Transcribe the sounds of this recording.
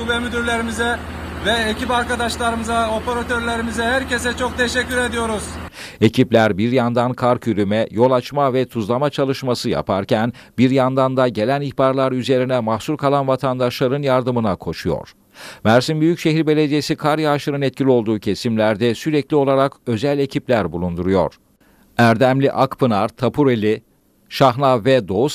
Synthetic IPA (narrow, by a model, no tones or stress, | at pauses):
ubɛmyd̪yɾlʲe̞ɾimizɛ | vɛecipaɾkad̪aʃlˠaɾɯmɯzao̞peɾat̪ʰøɾlʲe̞ɾimizɛhæɾce̞sɛt͡ʃʰo̞k̚t̪ʰeʃɛcːyɾe̞d̪ijo̞ɾuz̥e̞ciplʲæɾbiɾjand̪ankʰaɾkyɾymɛjo̞lˠat͡ʃmavɛt̪ʰuzlˠamat͡ʃʰalˠɯʃmasɯja̰pʰa̰ɾcʰæn | biɾjand̪and̪aɟe̞lʲæniçbaɾlˠaɾyze̞ɾinɛmahsuɾkʰalˠanvat̪ʰand̪aʃlˠaɾɯnjaɾd̪ɯmɯnakʰo̞ʃujo̞̰ɾ̥ | mæɾsimbyjycʃe̞ɦiɾbe̞lʲe̞d̪ijesikʰaɾjaʃˠɯɾɯnɛt̪cʰilʲio̞lˠd̪uːcʰe̞simlʲæɾd̪ɛsyɾɛclʲio̞lˠaɾakø̞zælʲe̞cʰiplʲæɾbulˠund̪uɾujo̞̰ɾ̥ | æɾd̪æmlʲiʔakpʰɯnaɾt̪ʰapʰuɾelʲi | ʃaɦnˠavɛd̪o̞us